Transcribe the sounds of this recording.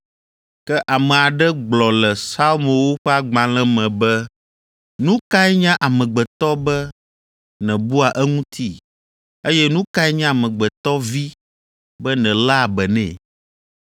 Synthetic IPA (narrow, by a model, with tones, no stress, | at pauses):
kɛ˦ʔa˨mɛ̃˨a˨ɖɛ˦ɡ͡blɔ˨lɛ˨sa˦lmõ˨wo˦ɸɛ˦a˦ɡ͡bã˨lɛ̃˦mɛ̃˨bɛ˦ | nũ˦ka˦ɛ˦ɲã˦ʔa˨mɛ̃˨ɡ͡bɛ˨t̪ɔ˦bɛ˦ | nɛ̃˨bu˦a˨ʔɛ˦ŋũ˦t̪ʰi˦ | e˦jɛ˦nũ˦ka˦ɛ˦ɲã˦˨mɛ̃˨ɡ͡bɛ˨t̪ɔ˦vi˦ | bɛ˦nɛ̃˨la˦˨bɛ˨nɛ̰̃˦˨